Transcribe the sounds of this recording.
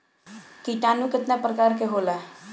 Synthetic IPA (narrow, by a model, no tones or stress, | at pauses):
kiʈ̪anukət̪napərkaɾkeɦola